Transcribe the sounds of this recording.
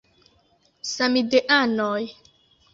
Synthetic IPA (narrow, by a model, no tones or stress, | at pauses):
samideʔanoj